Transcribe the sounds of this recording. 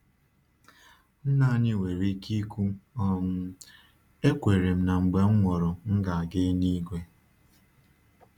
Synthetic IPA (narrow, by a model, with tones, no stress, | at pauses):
n̩˦na˦˨ɲɪ˦we˨ɾi˦ki˦kʷu˦ɔ˨m̩˦ | e˦kʷe˨ɾe˨m̩˨na˨ŋ͡m̩˨ɡ͡be˨ŋ͡m̩˦ŋʷɔ˨ɾɔ˨ŋ̩˦ɡa˨a˨ɡe˦ni˦ɡʷe˦